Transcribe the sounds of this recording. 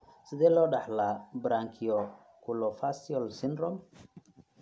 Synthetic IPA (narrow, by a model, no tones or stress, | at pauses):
sɪðɛːlɔːɖɑħlaːbɾaŋkʰiɔ | kʰulɔfasiɔlsɪnɾɔm